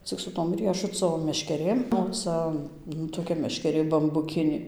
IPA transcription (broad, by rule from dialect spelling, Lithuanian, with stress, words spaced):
t͡sʲɪk sʊ ˈtoːm ˈrʲiɛʃʊt͡soː mʲɛʃʲkʲɛˈrʲeːm oː ˈt͡sɐ nʊ toːˈkʲɛ mʲɛʃʲkʲɛˈrʲeː bɐmbʊˈkʲɪnʲeː